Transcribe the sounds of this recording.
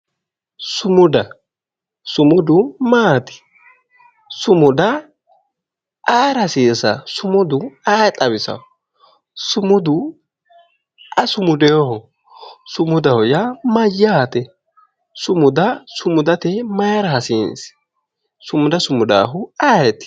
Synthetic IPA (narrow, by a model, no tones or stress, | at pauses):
sʊmʊd̪ɐ | sʊmʊd̪ʊmaːt̪ɪ̥ | sʊmʊd̪ɐ | aːɾɐsiːsɐsʊmʊd̪ʊaːjt̪ʼɐβɪsɐ̰ | sʊmʊd̪ʊ | ʔɐsʊmʊd̪ɛɔhɔ | sʊmʊd̪ɐhɔjɐmɐjːaːt̪ɛ | sʊmʊd̪ɐsʊmʊd̪ɐt̪ɛmɐjɾɐhɐsɪns | sʊmʊd̪ɐsʊmʊd̪a̰ːɦʊaːjɛt̪